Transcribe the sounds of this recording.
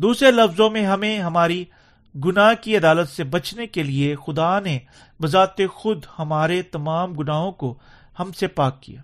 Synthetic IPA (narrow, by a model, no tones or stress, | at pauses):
d̪uːsɾelɐfzõmẽɦɐmẽɦɐmaːɾi | ɡʊnaːɦkiɐd̪aːlət̪sebɐt͡ʃnekeliexʊd̪ane | bɐzaːt̪exʊd̪hɐmaːɾet̪ɐmaːmɡʊnaːɦõko | hɐmsepaːkːḭja̰ː